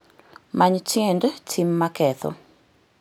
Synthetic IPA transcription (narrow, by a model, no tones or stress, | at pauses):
maɲt͡ʃjɛndtʰimːakɛθʰɔ̰